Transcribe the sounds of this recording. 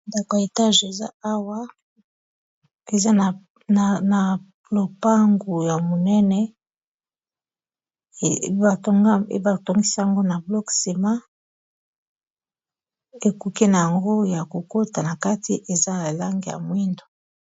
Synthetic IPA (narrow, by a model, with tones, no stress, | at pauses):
nda˨ko˨ja˨e˨ta˦ʒe˨za˦a˦wa˦ | e˨za˦n˨ | na˨ | lo˨pa˦ŋɡu˨ja˨mo˨nɛ˦nɛ˦˨˦ | ba˨tŋ˦ḛ˦ba˨to˦ŋɡi˦sa˦a˨ŋɡo˦na˨blɔ˦kse˨ma˦ | e˨ku˨ki˦na˨ja˨ŋɡo˦ja˨ko˨ko˦ta˨na˨ka˦ti˨ʔe˨za˦na˨la˦ŋɡi˨ja̰˨mwi˦ndo˨